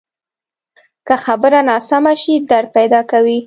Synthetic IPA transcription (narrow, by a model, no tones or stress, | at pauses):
kəxabəɾanɑsamaʃid̪aɾd̪̚pajd̪ɑkawi